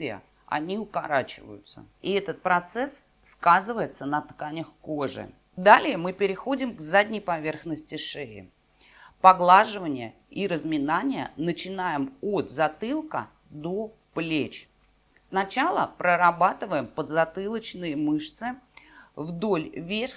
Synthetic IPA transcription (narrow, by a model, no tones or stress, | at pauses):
vʲɪə̰ | ɐ̰nʲiʊkaɾat͡ɕɪ̰və̰jʊ̰t̪sə̰iɛt̪ət̪̚pɾɐt̪sɛs | skazɨvəjɪt̪sənət̪kanʲəxkoʐɨ̰ | d̪alʲɪjəmɨpʲɪɾʲɪxo̞dʲɪmɡzadʲnʲəjpɐvʲe̞rxnəsʲtʲɪʂɛɪ̰ | pɐɡlˠaʐɨvənʲɪjə̰ | iɾəzmʲɪnanʲɪjə̰nət͡ɕɪnajɪmo̞t̪zɐt̪ɨlˠkə̰ | d̪o̞ | plʲet͡ɕ | snɐt͡ɕalˠəpɾəɾɐbat̪ɨvəjɪmpəd̪zɐt̪ɨlˠət͡ɕnɨjəmɨʂt̪sɨ | vd̪olʲvʲer